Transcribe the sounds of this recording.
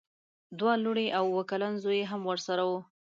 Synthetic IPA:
d̪wɑluɽeʔawwəkalanzojeɦamwəɾsaɾawu

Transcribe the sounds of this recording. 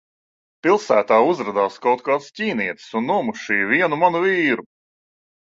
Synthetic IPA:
pilˠsæːt̪aːuzɾad̪aːskawt̪̚kaːt̪scʲiːniɛt̪sunːuɔmuʃiːvʲiɛnumanuviːɾu

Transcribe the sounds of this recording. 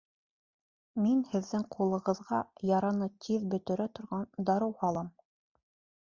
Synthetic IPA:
minhɘ̆ðːɘŋqʰulˠɤ̆ʁɤ̆ðʁɑjɑɾɑnɤt̪ʰiðbɵ̆t̪ɘ̆ɾɘt̪ŏɾʁɑnd̪ɑɾɤwhɑlˠɤm

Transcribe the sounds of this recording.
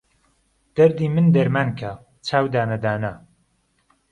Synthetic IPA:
d̪̥ɐɾd̪iːmɨnd̪ɐɾmankʰa | t͡ʃʰaːwd̪aːnɐd̪aːnɐ

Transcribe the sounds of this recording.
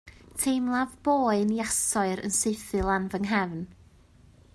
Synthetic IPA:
tʰejmlˠavboːɨnjasɔɨɾə̰nseɨθɨlˠanvəŋɦɛvn

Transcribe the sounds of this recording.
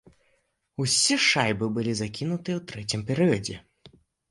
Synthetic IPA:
usʲiʂajbɨbɨlʲizakʲinut̪ɨjɛwt̪ɾɛt͡sʲimpʲɛɾɨjɐd͡zʲɛ̰

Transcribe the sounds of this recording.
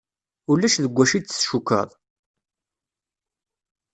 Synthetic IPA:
ulːæʃðəɡʷːæʃit͡sːə̥sʃukːɑ̰ðˤ

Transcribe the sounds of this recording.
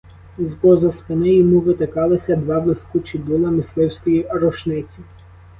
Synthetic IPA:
zpɔzɐspɪnɪjɔmuʋɪt̪ɪkɑlˠɪsʲɐd̪ʋɑblˠɪskut͡ʃid̪ulˠɐmɪslˠɪwsʲkɔjirɔʃnɪt͡sʲi

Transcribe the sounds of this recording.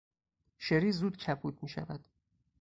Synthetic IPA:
ʃeɾiːzuːd̪cʰæbʰuːt̪̚ʰmiːʃæ̰væd̪̥

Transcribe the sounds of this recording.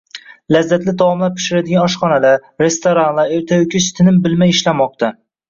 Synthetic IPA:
lazːat̪lɪd̪ɒwɒmlaɾpʰɪ̥ʃɪɾad̪ɪɡʲanɒʃχɒnalaɾe̞st̪ʰoɾanlˠaeɾt̪ʰajʊkʲʰɪʃt̪ʰɪnɪmbɪlmajɪʃlamɒq̚t̪ʰa

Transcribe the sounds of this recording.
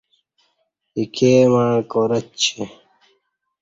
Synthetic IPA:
ikʰeːmaɳkoːɾɐtt͡ɕʰe

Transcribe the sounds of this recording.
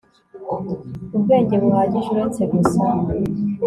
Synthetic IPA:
ubɡe̞ːɟe̞βuhaːɟiʒuɾe̞t͡se̞ɡusa

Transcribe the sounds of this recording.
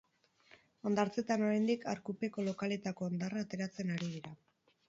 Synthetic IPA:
o̞nd̪aɾt͡se̞t̪ano̞ɾejnd̪ikaɾkupe̞ko̞lo̞kale̞t̪ako̞ːnd̪araːt̪e̞ɾat͡se̞naɾið̞iɾa

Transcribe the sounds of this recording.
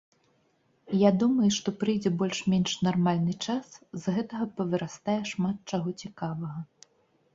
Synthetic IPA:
jad̪umɐjuʂt̪ɔpɾɨjd͡zʲɛbɔlʲʂmʲɛnʂnarmalʲnɨt͡ʂaszɣɛt̪ɐɣɐpɐvɨɾast̪ajɛʂmat̪̚t͡ʂaɣɔt͡sʲikavɐɣɐ

